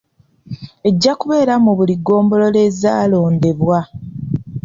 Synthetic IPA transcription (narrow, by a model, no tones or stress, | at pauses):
e̞ɟːakuβe̞ːɾamuβuliɡo̞ːmbo̞lo̞le̞ːzaːlo̞ːnde̞βwa